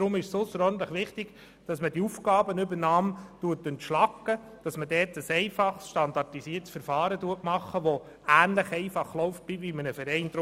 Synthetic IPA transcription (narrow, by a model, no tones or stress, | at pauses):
dɾʊmɪʃsʊsəɾɔɾdn̩t̪ˡləχʋɪχtɪɡ̥ | d̥ɑsmədiufkɑːbənʏbəɾnɑːmtuətːɵntʃlɑkːə | d̥ɑsmədɛːtəsɛɪfɑχsʃtɑnd̪ɑɾtisiəɾtsfəɾfɑːɾətuətmɑχːəʋo | æːnləχɛɪfɑχlɔʊft̚b̥ɪvimənəfəɾɛɪndɾ